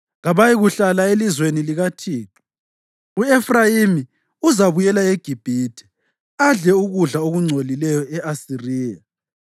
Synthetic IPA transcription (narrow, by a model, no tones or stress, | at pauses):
ɣaβajiɣuɬalaelizweniliɣatʰiːǁu̥ | uɛfrajimi | uzaβujɛlaeɡ̥ʱib̥ʱiːtʰʼɛ̥ | aɮɛuɣuɮaoɣuŋ͡ǀʱolilɛjɔɛʔasiriːja